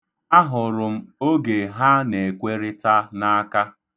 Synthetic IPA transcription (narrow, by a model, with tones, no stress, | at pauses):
a˦ɦʊ˨ɾʊ˨m̩˦o˦ɡe˨ɦa˦ne˨kʷe˦ɾɪ˦ta˦na˦ka˦